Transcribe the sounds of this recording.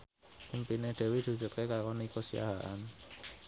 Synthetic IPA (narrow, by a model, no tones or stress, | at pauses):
pimpineɖ̪̥e̤wid̪̥i̤̥d͡ʒʊt̪̚kekaɾkonikosia̰ɦa̰ʔan